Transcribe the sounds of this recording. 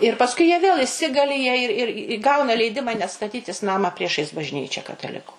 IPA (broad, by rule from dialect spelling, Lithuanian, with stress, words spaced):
ɪr pɐsˈkʊɪ jiɛ ʋʲeːlˠ ɪˈsʲɪɡɐlʲɪ jiɛ ɪr ɪr ɪ ˈɡɐʊnɐ lʲɛɪˈdʲɪmɐ nʲɛt stɐˈtʲiːtʲɪs ˈnɑːmɑː ˈpʲrʲiɛʃɐɪs bɐʒʲˈnʲiːt͡ʃʲɛ kɐtɐˈlʲɪkʊ